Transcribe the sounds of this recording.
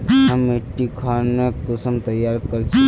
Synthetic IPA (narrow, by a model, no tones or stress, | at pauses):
ɦɐmeʈːikʰanekəsəmt̪ɐjaːɾkəɾt͡ʃʰi